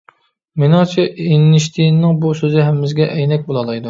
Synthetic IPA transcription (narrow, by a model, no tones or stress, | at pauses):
menɑŋt͡ʃʰienːɪʃt̪ʰinːɪŋbusøzɪɦɛmːɪzɡʲɛʔɛjnɛk̚ʲbolˠɑlˠɑjd̪u